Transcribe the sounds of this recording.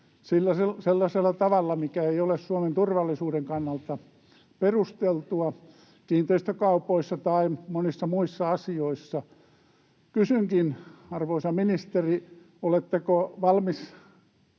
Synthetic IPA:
silːæseselːɑselːɑt̪ɑʋɑlːɑmikæeiolessuoment̪urʋɑlːˑisuːdeŋkɑnːɑlt̪ɑ | perust̪elt̪uɑ | kiːnt̪eist̪økɑupoisːɑt̪ɑimonisːɑmuisːɑɑsioisːɑ | kysyŋkinɑrʋoisɑminist̪eri | olet̪ːekoʋɑlmis

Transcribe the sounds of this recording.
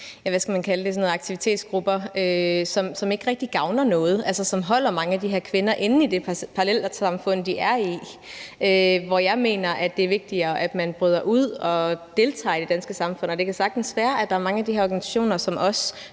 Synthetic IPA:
jæʋæsɡ̥æmænkʰæləd̥e̝sɔ̽noːð̩ˠɑ̈ɡ̥t͡sʰiʋit͡sʰe̝̰ːd̥sɡ̥ʁub̥ɐøsɒ̽msɒ̽me̝ɡ̥ʁɛɡ̥d̥iɡ̥ɑ̈ʊnɐnɔ̽ːð̞̩ˠʔælsɐsɒ̽mɦɒ̽l̰ɐmɑ̈ŋəæd̥iɦeɐ̰kʰʋe̝nɐʔe̝nn̩id̥e̝pʰɑʁɑlel̰sɑ̈mfɔ̽n̰̩ˠd̥iæɐi | øʋɒjɑ̈ɪme̝̰ːnɐʔæd̥e̝æɐʋe̝ɡ̥̚d̥iɐːʔæd̥mænb̥ʁyð̞̰ˠɐʔuð̞̰ˠɒ̽d̥e̝lt͡sʰɑ̰̈ːid̥e̝d̥ænsɡ̥əsɑ̈mfɔ̽n̰ɒd̥ekʰæsɑ̈ɡ̥d̥n̩sʋæːɐʔæd̥ɑ̈æɐmɑ̈ŋəæd̥iheɐɒːɡænisæ̥ɕo̝̰ːnɐsɒ̽mʔɒ̽s

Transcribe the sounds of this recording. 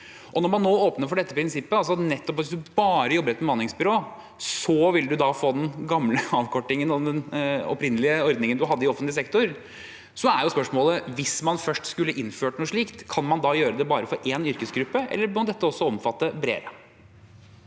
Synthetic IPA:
ʔɔnɔɾmɑnːoːoːpnəɾfɔɖɛt̪ːəpʰɾɪnsɪpːəɑls̬ɔɑt̪nɛt̪ːɔpɑʋɪsd̪ʉbɑːɾəjɔbːəɾɛt̪mɛmɑnɪŋsbʏɾoː | sɔʋɪlːəd̪ʉd̪ɑfoːd̪ɛnɡɑmləɑːʋkʰɔʈːɪŋənɔd̪ɛnɔ̰pɾɪnəlɪəɔɾd̪nɪŋənd̪ʉɦɑd̪ːəɪɔfət̪lɪsɛkt̪ʊɾ | sɔæɾjʊspœʂmoːləʋɪsmɑnfœʂʈskʉlːəʔɪnføːʈnuːʂɭiːkt̪kʰɑnmɑnd̪ɑːjøːɾəd̪ɛbɑːɾəfɔɾʔeːnʏɾkəsɡɾʉpːəʔɛ̰lːəmɑnd̪ɛt̪ːəɔsːɔɔmfɑt̪ːəbɾḛːɾə

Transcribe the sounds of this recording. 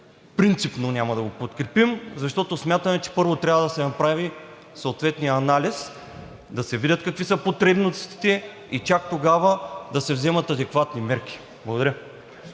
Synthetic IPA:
fpɾint̪sipnonʲamɐd̪ɐɡopot̪kɾɛpimzɐʃt̪ɔt̪osmʲjat̪əmɛt͡ʃɛ̥pɤɾvot̪ɾʲavəd̪ɐsɛnɐpɾavi | soot̪vɛt̪nijəːnalʲis | d̪ɐsɛvidʲət̪kɐkvisəpot̪ɾɛbnost̪i̥t̪ɛ | it͡ʃakt̪oɡavəd̪ɐsɛvzɛmɐt̪ɐd̪ɛkvat̪nimɛɾk̟ʲi̥ | blˠɐɡod̪ɐɾə

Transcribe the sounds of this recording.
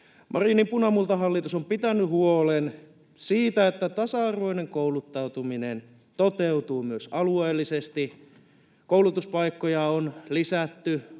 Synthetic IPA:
mʔɑrinimpunɑmult̪ɑɦɑlːit̪usompit̪ænːˑyhuolen | siːt̪æet̪ːæt̪ɑsɑɑrʋoineŋkoulut̪ːɑut̪uminen | t̪ot̪eut̪uːmyøsɑlueːlːisest̪i | kouwlut̪uspɑikːojɑonlisæt̪ːy

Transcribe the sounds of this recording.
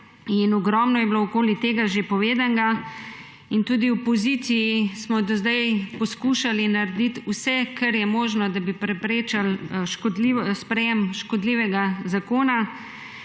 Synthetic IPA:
inɔɡɾɔːmnɔjɛblowkoːlit̪eːɡaʒepɔʋeːd̪aŋɡa | int̪uːd̪iwpɔzit̪sijismɔd̪ɔzd̪ajpɔskuʃalinaɾed̪it̪usɛkʰaɾjɛmoːʒnɔd̪abipɾɛpɾeːt͡ʃalʃkɔd̪lispɾɛjɛmʃkɔd̪liːʋɛɡazakoːna

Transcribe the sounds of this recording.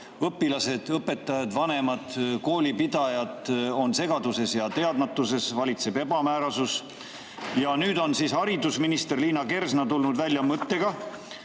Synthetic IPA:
ɤpːˑilɑse̞d̪̥ɤpːe̞t̪ːˑɑjɑd̪̥vɑne̞mɑd̪̥ko̞ːlʲipid̪ɑjɑd̪ˑo̞nse̞ɡ̥ɑd̪use̞sjɑt̪e̞ɑd̪mɑt̪ːˑuse̞svɑlʲit̪se̞be̞bɑmæːɾɑsus | jɑnyːd̪o̞nsishɑɾid̪usminist̪erliːnɑke̞rsnɑt̪ulnud̪vælʲjɑmɤt̪ːe̞ɡ̥ɑ

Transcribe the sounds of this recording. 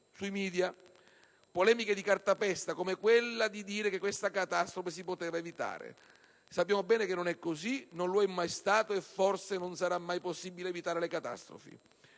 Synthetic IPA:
suimiːd̪ja | polɛːmiked̪ikart̪apɛst̪akomekwelːad̪id̪iːɾekekwest̪akat̪ast̪ɾofes̬ipot̪eːvaevit̪a̰ːɾḛ | sapːjaːmobɛːnekenːonɛkːozinonloɛmːajst̪aːt̪oefːorsenonsaɾamːajposːibileːvit̪aːɾelekat̪a̰st̪ɾo̰fḭ

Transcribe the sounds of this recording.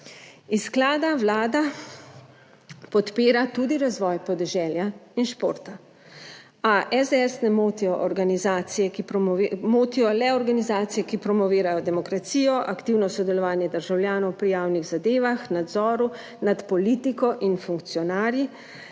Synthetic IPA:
isklaːd̪awlaːd̪a | pɔt̪peːɾat̪ud̪iɾazʋɔjpɔd̪ɛʒɛljainʃpoːɾt̪a | aʔɛzd̪ɛɛsnɛmoːt̪iɔʔɔɾɡanizaːt̪sijɛkipmoːt̪ijɔlɛɔɾɡanizaːt̪sijɛkipɾɔmɔʋiːɾajɔd̪ɛmɔkɾat̪siːjɔʔakt̪iwnɔsɔd̪ɛlɔʋaːnjɛd̪əɾʒawljaːnɔwpɾijaːwniɣzad̪eːʋaxnad̪zɔːɾu | nat̪pɔliːt̪ikɔʔinfuŋkt̪sijɔnaːɾji

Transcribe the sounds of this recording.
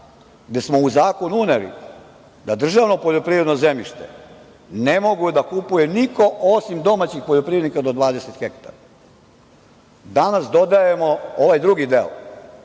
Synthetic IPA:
ɡd̪e̞smo̞uzaːko̞nuuneɾḭ | d̪ad̪r̩ʒaːʋno̞poʎo̞pɾiːvɾe̞d̪nozemiʃt̪ḛ | ne̞mo̞ɡud̪akupuje̞niko̞ʔosimd̪o̞maːt͡ɕixpoʎopɾiːɾed̪ikad̪od̪ʋaːd̪e̞set̪xekt̪a̰ɾa | d̪anasd̪o̞d̪aje̞mooʋajd̪ɾuɡid̪eo̰

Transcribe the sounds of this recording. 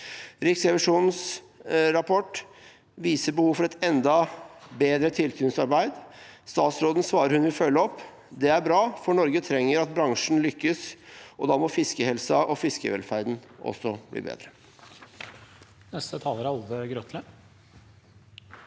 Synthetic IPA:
ɾɪksɾɛʋɪʂuːns | ɾɑpʰɔʈ | ʋiːsəbəhuːʋfɔɾɛt̪ɛnd̪ɑbeːd̪ɾət̪ʰɪlsʉːnsɑɾbæɪd̪st̪ɑːt̪sɾoːd̪n̩sʋɑːɾəɾhʉnʋɪlfœlːəɔpː | d̪ɛæɾbɾɑːfɔɳɔɾɡət̪ʰɾɛŋːəɾɑt̪̚bɾɑŋʂn̩lʏkːəsʔɔd̪ɑːmɔfɪskəhɛlsɑʔɔfɪskə̰ʋɛ̰lfæɾd̪n̩ʔɔ̰sːɔblḭːbḛːd̪ɾə | nɛst̪ət̪ʰɑːləɾæɑld̪əɡɾɔt̪ʰlə

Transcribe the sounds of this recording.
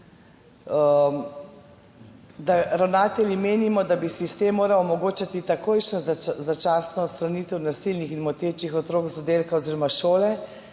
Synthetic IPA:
d̪aɾawnaːt̪ɛljimeːnimɔd̪abisist̪emːoːɾawɔmɔɡoːt͡ʃat̪it̪akoːjʃnɔzat͡ʃaːsnɔːt̪st̪ɾanit̪ɛwnasilnixinmɔt̪eːt͡ʃixɔt̪ɾoːkzɔd̪eːlkaɔziːɾɔmaʃoːlɛ

